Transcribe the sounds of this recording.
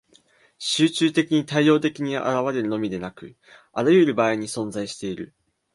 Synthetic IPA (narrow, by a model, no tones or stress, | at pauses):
ɕɨːt͡ɕɨːt̪e̞kʲiɲ̟it̪aijo̞ːt̪e̞kʲiɲ̟ia̰ʔa̰ɾaβ̞aɾe̞ɾɯ̟no̞mʲid̪e̞nakɯ̟̰ | aɾajɯɾɯ̟baːiɲ̟isõ̞ñzaiɕi̥t̪e̞iɾɯ̟̰